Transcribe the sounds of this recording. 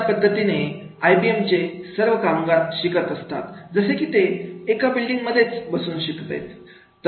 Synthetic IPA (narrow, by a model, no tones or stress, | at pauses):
pəd̪ʱːət̪ine | ajbiemt͡ɕesəɾʋəkamɡat̪ɕikət̪əst̪a̰t̪d͡zəsekit̪eːkabilɖiŋɡməd̪ʱːjet͡sbəsuːnɕikt̪ḛjt̪ː | ə